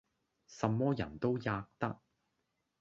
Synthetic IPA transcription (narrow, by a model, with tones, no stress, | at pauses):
sɐ˨mːɔː˥jɐ˨˩nt̪o˥wjaː˧k̚t̪ɐ˥k̚